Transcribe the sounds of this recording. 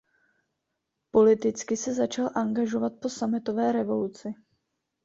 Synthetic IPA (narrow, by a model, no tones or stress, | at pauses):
po̞lɪt̪ɪt͡skɪsɛzat͡ʃalʔaŋɡaʒo̞vat̪̚po̞samɪt̪o̞vɛːɾɛvo̞lut͡sɪ